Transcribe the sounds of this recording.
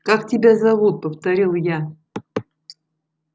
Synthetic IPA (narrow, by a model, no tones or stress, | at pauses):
kaktʲɪbʲazɐvut̪̚pəft̪ɐɾʲilˠja